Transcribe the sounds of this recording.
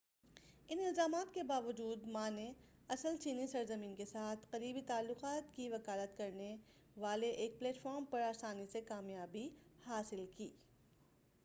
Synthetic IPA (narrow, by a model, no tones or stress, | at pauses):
ɪnɪlzaːmaːt̪̚kebaːʋəd͡ʒuːd̪mãːne | ɐsəlt͡ʃiːnisɐɾzəmiːnkesaːt̪ʰqɐɾiːbit̪aːlːʊqaːt̪kiʋɐkaːlət̪kɐɾne | ʋaːleʔeːk̚pleːʈfɔːɾmpɐɾaːsaːnisekaːmjaːbihaːsɪlkiː